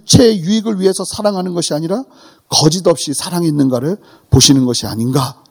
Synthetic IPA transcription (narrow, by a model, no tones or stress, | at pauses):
t͡ɕʰe̞ːjuiɡɯɭɥiɦe̞sʰʌsʰaɾaŋɦanɯnɡʌɕʰiaɲiɾa | kʌd͡ʑidʌp̚ɕ͈isʰaɾaŋɦenːɯnɡaɾɯɭ | poɕʰinɯnɡʌɕʰia̰ɲinɡa